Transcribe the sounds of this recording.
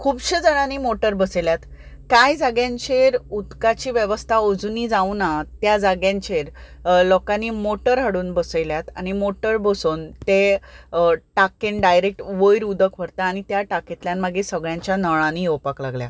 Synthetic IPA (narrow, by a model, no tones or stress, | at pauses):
kʰuːbɕed͡zəɽãniːmoʈəɾbəseljat̪kajd͡zaɡjãɲt͡ɕeɾud̪kat͡ɕiːʋjəʋəst̪ʰaod͡zuniːd͡zaunat̪jad͡zaɡjãɲt͡ɕeɾ | lɔkaniːmoʈəɾɦəɽuːnbəsəjljat̪añimoʈəɾbəsuːnt̪e | ʈakenɖajɾek̚ʈʋəjɾud̪əkʋəɾt̪aːñit̪jaʈaket̪ljãnməɡesəɡɭjãɲt͡ɕjanəɭaniopaklaɡlja̰